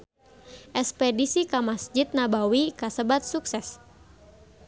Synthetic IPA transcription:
ʔɛspɛdisikamasd͡ʒit̪̚nabawikasəbat̪̚suksɛs

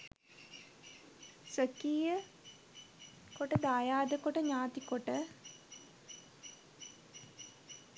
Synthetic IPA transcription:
səkiːjə | koʈəd̪aːjaːd̪əkoʈəɲaːt̪ikoʈə

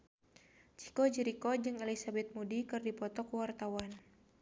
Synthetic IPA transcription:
t͡ʃi̥kɔd͡ʒiɾikɔd͡ʒɨŋɛlisabɛt̪̚mudikɨrdipɔt̪ɔkwart̪awan

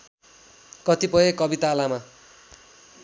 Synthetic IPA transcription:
kʌt̪ipʌekʌbit̪aːlama

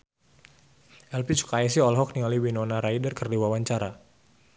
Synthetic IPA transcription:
ʔɛlpit͡ʃu̥kaɛs̬iɔlɦɔk̚niŋaliwinɔnaɾaidərkərdiwawaɲt͡ʃaɾa

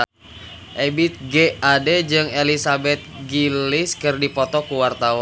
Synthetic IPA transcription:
ʔebit̪̚ɡeaded͡ʒɨŋelisabɛt̪̚ɡilɪskɨrdipɔt̪ɔkuwart̪awa

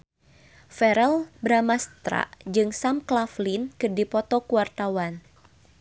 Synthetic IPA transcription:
fɛɾɛlbɾamast̪ɾa̰ʔd͡ʒɨŋsamklaflinkɨrdipɔt̪ɔkuwart̪awan

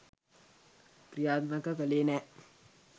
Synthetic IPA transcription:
kɾijaːd̪nakəkəleːnɛː

